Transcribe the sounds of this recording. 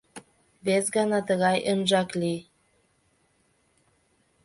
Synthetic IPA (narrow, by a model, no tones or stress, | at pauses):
besɡɑnɑt̪əɣɑjʔənʒɑkli